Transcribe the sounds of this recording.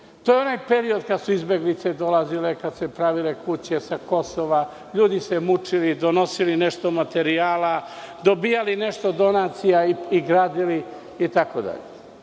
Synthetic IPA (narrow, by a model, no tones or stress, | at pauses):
t̪ojeo̞naːjpe̞ɾio̞d̪kad̪suizbe̞ɡlit̪se̞d̪o̞lazilekad̪sepɾaʋile̞kut͡ɕe̞sako̞so̞ʋa | ʎuːd̪isemut͡ʂilid̪o̞no̞silineʃt̪o̞mat̪e̞ɾiaːla | d̪o̞biːjalineʃt̪o̞d̪o̞nat̪sijaiiɡɾaːd̪ili | it̪akod̪a̰ʎe